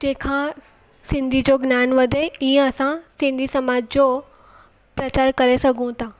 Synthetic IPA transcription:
d͡ʑeːkʰã | sɪ̃nd̪ʱid͡ʑoɡnaːnʋɐd̪ʱeiːə̃ɐsãsɪ̃nd̪ʱisɐmaːd͡ʑd͡ʑoː | pɾɐt͡ɕaːɾkɐɾesɐɡʱũt̪ʰaː

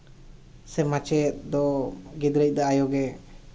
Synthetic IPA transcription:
sɛmat͡ʃɛt̪̚d̪ɔɡid̪ɾəc̚ˀd̪aajɔɡɛ

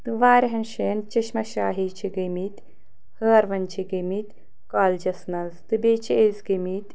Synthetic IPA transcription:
t̪ɨʋaːɾʲɦɐnʃeːnt͡ʃɐʃmɐʃaːɦiːt͡ʃʰiɡemit̪ʲ | həːɐɾʋɐnt͡ʃʰiɡemit̪ʲ | kaːld͡ʒɐsnɐzt̪ɨbeːt͡ʃʰieːzɡemit̪ʲ

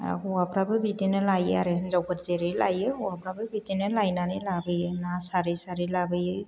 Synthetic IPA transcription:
uwapʰɾabɯbitinɯlajɯaɾehɯnzawkʰatzeɾɯjla̰jɯuapʰɾabɯbitinɯlajnanilabɯjɯnasaɾisaɾilabɯjɯ

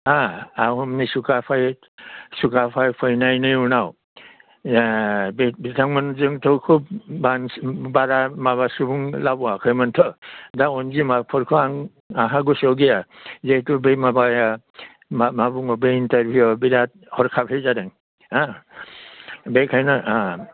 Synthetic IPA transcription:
aawɦɔmnisukapʰaj | sukapʰajpʰɯjnajnɯjunaw | bbitʰaŋmɯnzɯŋtʰɔwkʰub̚bansbaɾamaβasubuŋlabuwakʰɯjmɯntʰɔdaɔnzimapʰɔɾkʰɔaŋ | aɦaɡusɔwɡijazetubemabaja | mmabuŋɔbeintaɾbʱuɔbiɾat̚ | hɔɾkʰabʰʱejzaɾeŋ | a | bekʰajnaa

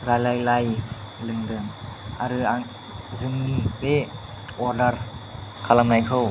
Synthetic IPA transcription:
ɾajlajlaj | lɯŋdɯŋa̰ɾɯaŋ | zɯŋnibe | ɔɾdɐɾkʰalamnajkʰɯw

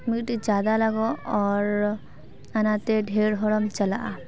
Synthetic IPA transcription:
miʈid͡ʒaːd̪alaɡɔɔːɾ | anat̪eɖʱeɾɦɔɽɔmt͡ʃɐlaʔa

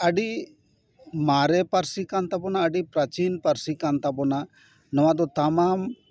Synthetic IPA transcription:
əɖi | maɾɛpaɾsikant̪abɔnaəɖipɾat͡ʃinpaɾsikant̪abɔna | nəwad̪ɔt̪amam

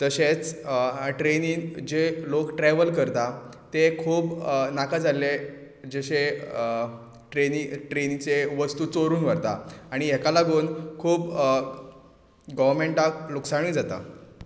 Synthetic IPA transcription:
t̪əɕet͡sʈɾeniːd͡ʑelokʈɾeʋəlkəɾt̪at̪ekʰuːbnakad͡zalːe | d͡ʑeɕe | ʈɾeniʈɾenit͡seʋəst̪uːt͡soɾuːnʋəɾt̪aaɽ̃iɦekalaɡuːnkʰuːp | ɡəʋəɾmeɳʈakluksaɳ̃ĩːd͡zat̪a̰

